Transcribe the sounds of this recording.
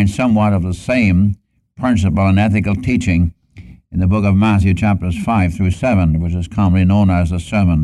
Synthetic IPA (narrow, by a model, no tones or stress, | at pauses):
nsʌ̃mwʌɾʌvðəsẽɪ̃m | pʰɹ̥ɪ̃ns̬ɨpl̩ˠə̃nɛθɨkl̩ˠtʰit͡ʃɪ̃ŋ | ɨ̃n̩ðɨbʊkʌvmæθjʉt͡ʃʰæp̚tə˞z̥faɪv̥θɹʉsɛvə̃nwət͡ʃɨz̥kʰɑmə̃n̩linõʊ̃nɨzðəsɜ˞mə̃n